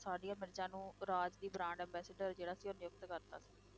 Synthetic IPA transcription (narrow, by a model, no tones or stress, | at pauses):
saːɽiãːmɪɾd͡ʒãːnũːɾaːd͡ʒd̪iːbɾãːɳɖɛ̃ːmbɛːsəɖəɾd͡ʒeːɽaːsiːʊnɪjʊk̚t̪kəɾt̪a̰ːsiː